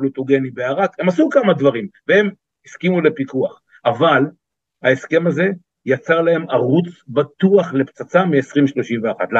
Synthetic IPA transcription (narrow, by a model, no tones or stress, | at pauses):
lut̪oɡe̞nibeaʁakhe̞masukamad̪vaʁimvee̞m | iskimulepikuaχ | aval | haeske̞maze̞ | jat͡saʁlae̞maʁut͡sbat̪uaχle̞pt͡sat͡samiesʁimʃlo̞ʃimveaχat̪l